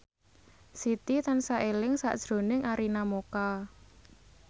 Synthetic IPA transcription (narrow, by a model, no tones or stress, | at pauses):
sit̪it̪ansaʔelɪŋsa̰ʔd̥ʒ̥ɾo̤nɪŋaɾinamoka